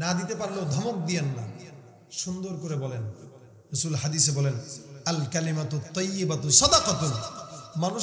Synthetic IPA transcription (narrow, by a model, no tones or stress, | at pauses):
nad̪it̪epaɾlod̪ʱɔmok̚d̪ijanːa | ʃund̪oɾkoɾebɔlen | ɾusulhad̪isebɔlenɐlkalimat̪ut̪ːɔjːibat̪usɔd̪aqat̪omanu